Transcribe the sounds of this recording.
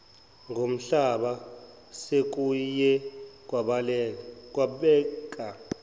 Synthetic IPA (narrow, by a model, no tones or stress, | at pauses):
ŋɡʱom̩ɬaɓa | sek̬ʼujɛk̬ʼwaɓalɛk̬ʼwaɓɛːk̬ʼa